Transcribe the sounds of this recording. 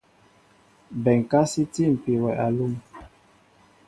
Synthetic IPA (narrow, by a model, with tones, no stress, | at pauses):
bɛ˨ŋ˨ka˦si˦ti˦˨m̩˨pi˨wɛ˨ʔa˨lu˦˨m